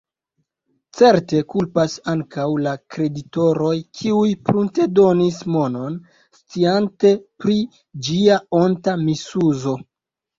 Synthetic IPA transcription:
t͡se̞ɾte̞kulpasaŋkawlakɾe̞dito̞ɾo̞jkʰiujpɾunte̞do̞nismo̞no̞n | st͡siante̞pɾi | d͡ʒiaontamisuzo̞

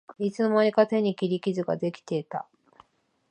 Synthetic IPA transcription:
it͡sɨnomaɾʲikat̪e̞ɲ̟ːikʲiɾʲikʲizɨɡa̰d̪e̞kʲi̥t̪e̞t̪a

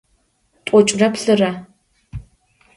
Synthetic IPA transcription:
tʷʼɔt͡ʃʼrɐpɬɨrɐ

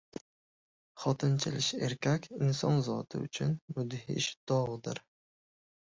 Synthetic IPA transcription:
χɒt̪ʰɪnt͡ʃʰɪlɪʃe̞ɾkʲʰakʲʰɪnsɒnzɒt̪ʰɪ̰ʊ̰t͡ʃʰʊnmʊd̪hɪ̰ʃd̪̥ɒʁd̪ɪ̰ɾ

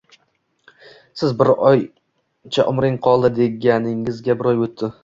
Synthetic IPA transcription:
sɪzbɪɾɒj | t͡ʃʰa̰ʔʊmɾɪŋqʰɒlˠd̪ɪd̪e̞ɡʲanɪŋɪzɡʲabɪɾɒjot̪ʰːɪ

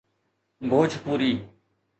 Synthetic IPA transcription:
bʱoːd͡ʒʱpuːɾiː

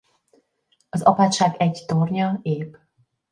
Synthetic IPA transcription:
ɒzɒ̰paːt̪ʃaːɡɛɟt̪orɲɒeːb

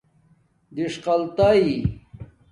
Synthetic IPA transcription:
d̪iʂqɐlt̪ai

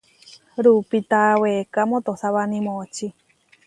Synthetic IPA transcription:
ɾupit̪awekamõt̪osaβanĩmot͡ʃi

